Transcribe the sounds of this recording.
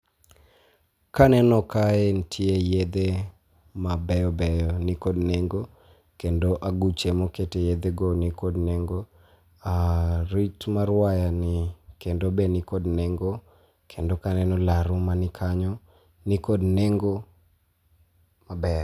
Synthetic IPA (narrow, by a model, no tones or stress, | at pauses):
kanɛnɔkaentʰjejed̪e | mabɛjɔbɛjɔnɪkodneŋɡo | kendoʔaɡut͡ʃemɔketejed̪eɡonɪkodneŋɡo | aɾitmaɾwajanɪkendobenɪkodneŋɡo | kʰendokanɛnɔlaɾʊmanɪkʰaɲɔ | nɪkodneŋɡo | mabɛr